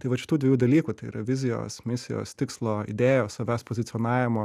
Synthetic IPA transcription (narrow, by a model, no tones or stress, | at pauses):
t̪ɐɪʋɐtt͡ʃʲɪ̥t̪uːdʲʋʲɛjuːd̪ɐlʲiːkut̪ɐɪḭːɾɐʋʲɪzʲɪjo̰ːsmʲɪsʲɪjo̰ːst̪ʲɪkslˠoːɪ̰d̪ʲeːjoːsɐʋʲæːspoːzʲɪt̪sʲɔːnɑːʋʲɪmoː